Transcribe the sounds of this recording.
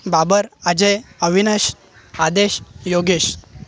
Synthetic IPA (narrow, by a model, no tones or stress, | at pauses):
babəɾad͡ʑəjəʋinəɕ | ad̪eɕjoɡeɕ